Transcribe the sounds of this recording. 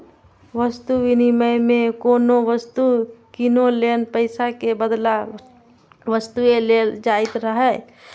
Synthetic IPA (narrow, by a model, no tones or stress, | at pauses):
ʋəst̪uʋiniməjmekonoʋəst̪ukinolenpəɪsakebəd̪la | ʋəst̪ueleld͡ʒait̪ɾəɦɛ